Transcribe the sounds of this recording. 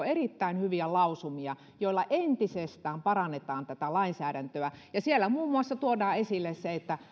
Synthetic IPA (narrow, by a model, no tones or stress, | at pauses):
erit̪ːæinhyʋiælɑusumiɑ | joilːɑʔent̪isest̪æːmpɑrɑnːet̪ɑːnt̪æt̪ælɑinsæːdænt̪øæjɑsielːæmuːmːuɑsːɑt̪uodɑːesilːesseet̪ːæ